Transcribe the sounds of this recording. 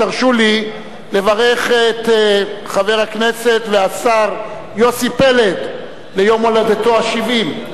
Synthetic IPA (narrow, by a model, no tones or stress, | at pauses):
taʁʃuli | le̞vaʁe̞χet̪χaveʁhakne̞se̞t̪veasaʁ | jo̞sipe̞le̞t̪ | lejo̞molad̪et̪o̞aʃivim